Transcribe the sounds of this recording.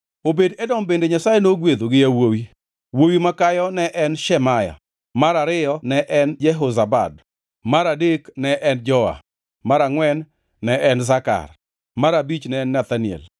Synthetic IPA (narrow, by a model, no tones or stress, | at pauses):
obedɛdɔmbendeɲasajenoɡwed̪oɡɪjawowi | wowimakajɔnɛʔɛnʃɛmaja̰ | maɾaɾɪjɔnɛʔɛnd͡ʒɛɦozaba̰d | maɾadeknɛʔɛnd͡ʒɔa̰ | maɾaŋwɛnː | ɛʔɛnzaka̰r | maɾabit͡ʃnɛnːɛt̪anɪɛ̰l